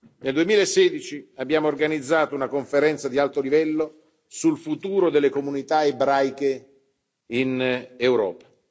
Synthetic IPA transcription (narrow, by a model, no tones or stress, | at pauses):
neld̪uemiːlaesːeːd̪it͡ʃiabːjaːmoːrɡanid̪zːaːt̪ounakoɱfeɾɛnt̪sad̪ialt̪olivɛlːo | sulfut̪uːɾod̪elːekomunit̪aebɾajke | inewɾɔ̰ːpḁ